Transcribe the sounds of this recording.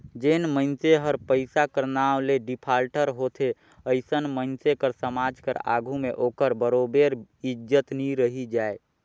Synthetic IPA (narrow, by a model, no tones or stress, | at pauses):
d͡ʒenmənt͡ʃeɦəɾpəɪsakəɾnawleɖɪpʰaːlʈəɾɦoːt̪ʰe | əɪsənmənt͡ʃekəɾsəmaːd͡ʒkə̰ɾa̰ːɡʱumẽʔoːkəɾbəɾobeɾɪd͡ʒət̪niɾəɦid͡ʒaːe